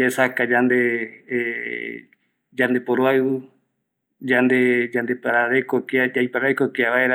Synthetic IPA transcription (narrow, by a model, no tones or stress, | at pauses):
aesakad͡ʒand̪e | d͡ʒand̪epoɾoaeβu | d͡ʒand̪ed͡ʒand̪epaɾaɾekokiad͡ʒaipaɾaekokiaʋaeɾa